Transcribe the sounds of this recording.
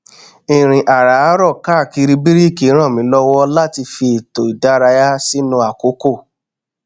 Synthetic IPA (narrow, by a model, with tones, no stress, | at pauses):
i˨ɾ̃ĩ˨ʔa˨ɾa˨˦ɾɔ˦˨ka˦˨ki˧ɾi˧bi˦ɾi˦˨ki˨˦ɾ̃ã˦˨mĩ˨˦lɔ˦wɔ˦la˦ti˧fi˧i˨to˨i˨da˨˦ɾa˧ja˦si˦nũ˧˦a˨ko˨˦ko˦˨